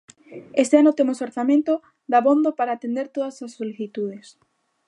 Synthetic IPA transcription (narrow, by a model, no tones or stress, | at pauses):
est̪eanʊt̪emesoɾθamẽnt̪o | ðaβond̪opaɾaːt̪end̪eɾt̪oðɐsasːoliθit̪uðes